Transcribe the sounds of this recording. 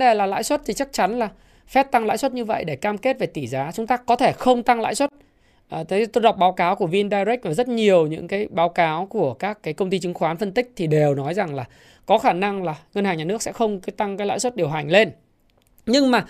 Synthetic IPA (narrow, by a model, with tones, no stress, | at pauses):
ɗe˨˩laː˨˩la̰ː˧˥jswə˦˥t̚t̪ʰi˨˩t͡ɕa˦˥k̚t͡ɕa˨˦nlaː˨˩ | fɛ˦˥p̚t̪a˧ŋla̰ː˧˥jswə˦˥t̚ɲɨ˧və̰˧˨jɗe˧˩kaː˧mke˦˥t̚ve˨˩t̪i˧˩zaː˨˦t͡ɕʊ˨˦ŋ͡mt̪aː˧kɔ˨˦t̪ʰe˧˩xə˧wŋ͡mt̪a˧ŋla̰ː˧˥jswə˦˥t̚ | ʔt̪ʰe˨˦t̪o˧jɗa˨˩wk͡p̚ɓaː˨˦wkaː˨˦wku˧˩əvi˧nɗaː˧jzi˦˥k̚ʔəː˨˩zə˦˥t̚ɲi˨˩əwɲɨ̰˧˥ŋkaː˨˦jɓaː˨˦wkaː˨˦wku˧˩əkaː˦˥kːaː˨˦jkə˧wŋ͡mt̪i˧t͡ɕɨ˨˦ŋxwaː˨˦nfə˧nt̪ï˥k̟̚t̪ʰi˨˩ɗe˨˩wnɔ˨˦jza˨˩ŋlaː˨˩ | kɔ˨˦xaː˧˩na˧ŋlaː˨˩ŋə˧nhaː˨˩ɲaː˨˩nɨ˦˥ək̚sɛ̰˧˥xə˧wŋ͡mt̪a˧ŋkaː˨˦la̰ː˧˥swə˦˥t̚ɗi˨˩əwɦa˨˩jŋ̟le˧n | ɲɨ˧ŋmaː˨˩